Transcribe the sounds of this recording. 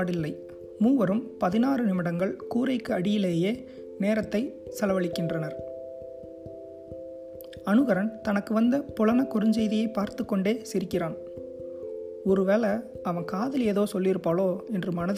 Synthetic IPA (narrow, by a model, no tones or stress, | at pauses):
ɽɪlːɐɪ | muːʋɐɾɯmpɐðɪnaːrɯnɪmɪɽɐŋɡɐɭkuːɾɐɪkːɯɐɽɪjɪleːjeː | neːɾɐt̪ːɐɪ | sɐlɐʋɐɭɪkːɪndrɐnɐɾ | ɐnɯɣɐɾɐnt̪ɐnɐkːɯʋɐnd̪ɐpʊlɐnɐkːʊɾɯɲd͡ʒɐɪðɪjɐɪpːaːɾt̪ɯkːɔɳɖeːsɪɾɪkːɪraːn | ɔɾɯʋeːlɐ | ɐʋɐnkaːðɪleːðoːsɔlːɪɾɯpːaːɭoːɛndrɯmɐnɐð